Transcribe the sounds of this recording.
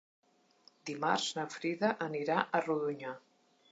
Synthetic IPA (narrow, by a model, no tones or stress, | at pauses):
d̪imarznəfɾiðəʔəniɾaʔəruðuɲa